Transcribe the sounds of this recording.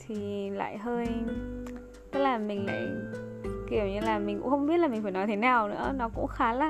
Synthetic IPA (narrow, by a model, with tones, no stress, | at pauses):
t̪ʰi˨˩la̰ː˧˨jɦəː˧j | t̪ə˦˥k̚laː˨˩mï˨˩ŋ̟la̰ː˧˨j | ki˧˩əwɲɨ˧laː˨˩mi˨˩ŋ̟kʊ̰˧˥xə˧wŋ͡mɓi˦˥t̚laː˨˩mï̟˨˩faː˧˩nɔ˨˦t̪ʰe˨˦naː˨˩wnɨ̰˧˥ənɔ˨˦kʊ̰˧˥ŋ͡mxaː˨˦laː˧˩